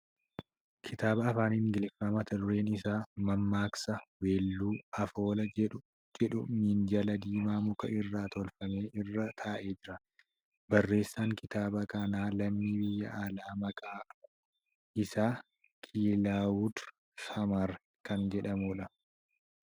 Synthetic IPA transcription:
kʰɪt̪aːbɐːfaːniːŋɡɪlɪfːɐmɐt̪ɐd̪ʊɾe̞ːnɪsaːmɐmːaːksɐweːlːuːɐfoːlɐɛʊ | d͡ʒɛᶑʊmind͡ʒɐlɐd̪iːmaːmʊkɐʔɪrːaːt̪ɔlfɐme̞ːʔɪrːɐt̪ʰaːʔe̞ːd͡ʒɪɾɐ | bɐrːe̞ːsːaːŋkɪt̪aːbɐkɐnaːlɐmːiːbɪjːɐʔalaːmɐkʼaː | ʔɪsaː | kʰiːlaːwʊd̪ | ʃɐmaɾ | kɐnd͡ʒɛᶑɐmuːᶑɐ

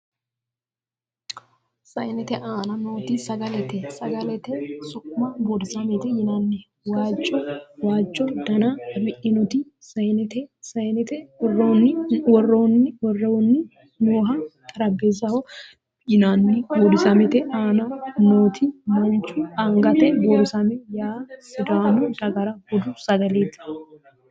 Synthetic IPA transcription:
sɐjnɛt̪ɛʔaːnɐnoːt̪ɪsɐɡɐlɛt̪ɛsɐɡɐlɛt̪ɛsʊʔmɐbɔd̪ɪsɐmɛt̪ɛjɪnanːɛ | waːt͡ʃʼːɔwaːt͡ʃʼːɔd̪ɐnɐbɪʔɪnɔt̪ɪ | sɐjnɛt̪ɛsɐjnɛt̪ɛrnːwɔrːonːɪwɔrːɐwɔnːɪ | noːɦɐt̪ʼɐɾɐbːezɐhɔ | jɪnaːnːɪɡɔd̪ɪsɐmɛt̪ɛʔaːnɐnoːt̪ʰɪmɐnt͡ʃʊaŋɡɐt̪ɛʔɡɔd̪ɪsɐmɛjaːɪd̪aːnʊd̪ɐɡɐɾɐhɔd̪ʊsɐɡɐleːt̪ɪ̥

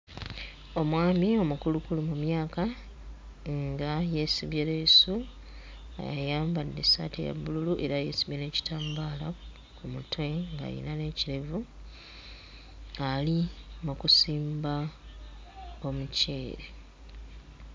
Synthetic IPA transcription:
o̞mwaːmio̞mukulukulumumjaːka | ŋɡajesiβjeleːsu | a̰ja̰jaːmbadːesa̰tḛja̰bːululuʔe̞ɾaje̞̰siβjene̞ːci̥taːmbaːla | kumutwe̞ŋɡa̰jḭnane̞ciɾevu | alimukusiːmba | o̞muce̞ːɾe

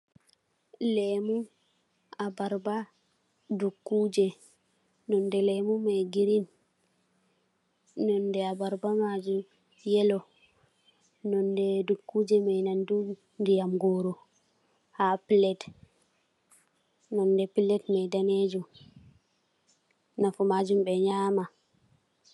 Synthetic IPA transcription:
lɛmu | abaɾba | dukːuːd͡ʒɛ | nɔndɛlɛmumɛɡiɾin | nɔndɛabaɾbamad͡ʒu | jɛlɔ | nɔndɛdukːuːd͡ʒɛmajnandu | ndijamɡɔɾɔ | hapilɛt | nɔndɛpilɛtmɛjdaned͡ʒum | nafɔmad͡ʒumbɛɲama

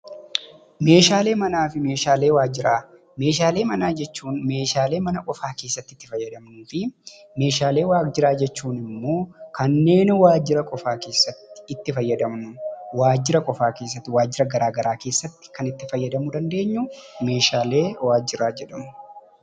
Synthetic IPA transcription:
me̞ːʃaːle̞ːmɐnaːfɪme̞ːʃaːle̞ːwaːd͡ʒɪɾaː | me̞ːʃaːle̞ːmɐnaːd͡ʒɛt͡ʃːuːnme̞ːʃaːleːmɐnɐkʼɔfaːke̞ːsːɐt̪ːɪt̪ːɪfɐjːɐd̪ɐmnuːfɪ | me̞ːʃaːle̞ːwaːd͡ʒɪɾaːd͡ʒɛt͡ʃːuːnɪmːo̞ːkɐnːe̞ːnwaːd͡ʒɪɾɐkʼɔfaːke̞ːsːɐt̪ːɪ̥ɪt̪ːɪfɐjːɐd̪ɐmnʊwaːd͡ʒːɪɾɐkʼɔfaːke̞ːs̬ːɐt̪ːɪwaːd͡ʒːɪɾɐɡɐɾaːɡɐɾaːkeːsːɐt̪ːɪ̥kɐnɪt̪ːɪfɐjːɐd̪ɐmʊd̪ɐnd̪e̞ːɲːʊme̞ːʃaːle̞ːwaːd͡ʒɪɾaːd͡ʒɛᶑɐmʊ̥

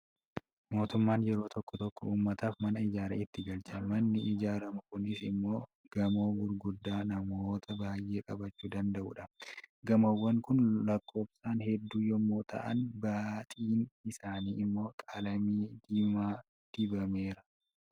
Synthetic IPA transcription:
mo̞ːt̪ʊmːaːnjɛɾo̞ːt̪ɔkːɔt̪ɔkːɔuːmːɐt̪aːfmɐnɐɪd͡ʒaːɾɐɪt̪ːɪɡɐlt͡ʃɐnmɐnːɪʔɪd͡ʒaːɾɐmɐkʊnɪsɪmːo̞ː | ɡ̥ɐmo̞ːɡʊɾɡʊd̪ːaːnɐmoːt̪ʰɐbaːjʔe̞ːkʼɐbɐt͡ʃːuːd̪ɐnd̪ɐʔṵːᶑɐɡɐmɐwːɐŋkʊnlɐkːo̞ːfsaːnhɛd̪ːuːjɔmːo̞ːt̪ɐ̰ʔɐ̰nbaːt̪ʼiːnɪsaːniːɪmːo̞ːkʼɐlɐmiːd̪iːmaː | d̪̥ɪbɐme̞ːɾɐ̥

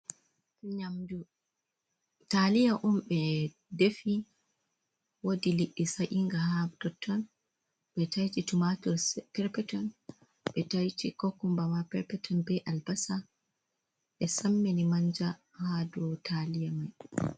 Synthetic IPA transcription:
ɲamdu | talijaʔɔmɓɛ | defi | wodiliʔːisajʔiŋɡahadɔtʰːɔn | ɓɛtajtitumatɔɾspɛɾpɛtɔn | ɓɛtajt͡ʃikɔkːumbamapɛɾpɛtʰɔnbɛʔalbasa | ɓɛsamːenimaɲd͡ʒa | hadɔtʰalijamaj

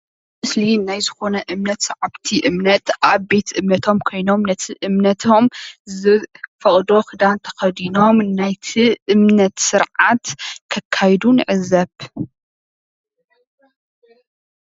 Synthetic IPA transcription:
mɨslinajzɨxo̞nɐʔɨmnɐt̪sɐʕabt̪ʰiʔɨmnɐt̪ʔaβbe̞t̪ʰʔɨmnɐt̪ʰo̞mkʰo̞jno̞mnɐt̪ʰiʔɨmnɐt̪ʰo̞mzɨfɐχʼd̪o̞xɨd̪ant̪ʰɐ̥xɐd̪ino̞mnajt̪ʰiʔɨmnɐt̪sɨɾʕat̪kʰɐkʰːajd̪unɨʕɨzɐβ

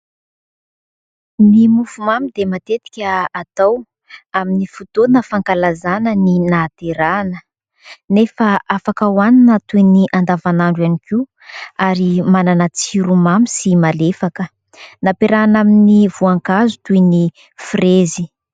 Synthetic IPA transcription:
nimufumamid̪emat̪et̪i̥kʲəat̪aw | aminifut̪onəfaŋkalazanəninat̪eɾanə | nefəʔafakəwaninət̪ujniʔand̪avanaɳɖ͡ʐwaniki | aɾimananat͡siɾumamisimalefakə | napeɾanaminivuaŋkazut̪ujni | frezi

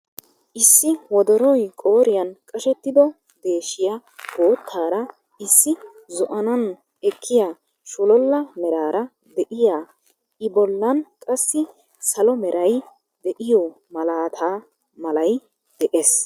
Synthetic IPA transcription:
ʔɪsːɪwɔd̪ɔɾɔjkʼo̞ːɾɪjɐnkʼɐʃɛt̪ːɪd̪ɔ | d̪e̞ːʃːɪjahoːt̪ʰːaːɾɐ | ɪsːɪ | zʊʔɐnɐn | ɛkʰːɪjaː | ʃʊlɔlːɐmɛɾaːɾɐ | d̪ɛʔɪjaː | ʔɪbɔlːɐnkʼɐsːɪ | sɐlɔmɛɾʔɐj | d̪ɛʔɪjɔ | mɐlaːt̪ʰaː | mɐlɐj | d̪̥ɛʔes

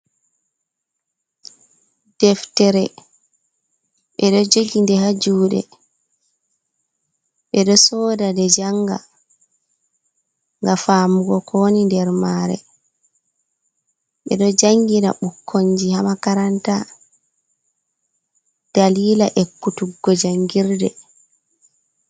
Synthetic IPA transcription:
d̥ɛftɛɾɛ | ɓɛɗɔd͡ʒoɡindɛhad͡ʒuːɗɛ̰ | ɓɛɗɔsɔːdadɛd͡ʒaŋɡa̰ | ŋɡafaːmuɡɔkʰɔnindɛɾmaːɾɛ̰ | ɓɛ̰ɗɔd͡ʒaŋɡiɾa̰ɓukʰːoɲd͡ʒihamakaɾanta | d̥aliːlaʔɛkːutuɡːɔd͡ʒaŋɡiɾdɛ̰

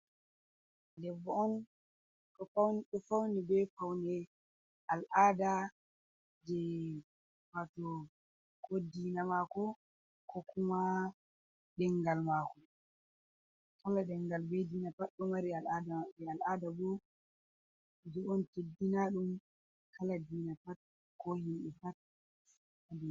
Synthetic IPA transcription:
dɛbːɔɔn | ɗɔfawnɗɔfawnɛbɛfawnɛ | alʔada | d͡ʒɛ | watɔ | kodːinamakɔ | kʰɔkuma | ɗɛŋɡalmakɔ | kalaɗɛŋɡalbɛdiːnapaɗɗɔmaɾialadaaɓɛalʔadabɔ | d͡ʒɛɔntedinaɗum | kʰaladiːnatat̚ | kɔhimɗɛfat̚ | adu

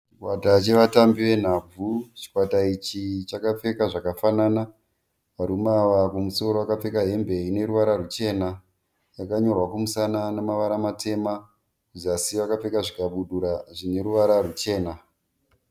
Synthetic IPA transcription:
t͡ʃt͡ʃikwatat͡ʃe̞ʋatambiʋe̞n̤ab͡vut͡ʃi̥kwatait͡ʃit͡ʃakap͡fe̞kaʐakafanana | ʋaɾumaʋakumuso̞ɾoakap͡fe̞kaɦe̞mbe̞ine̞ɾuʋaɾarut͡ʃe̞ːna | jakaɲo̞rwakumusananomaʋaɾamate̞ma | izasiʋakap͡fe̞kaʐikaɓuɗuɾaʐine̞ɾuʋaɾarut͡ʃe̞ːna

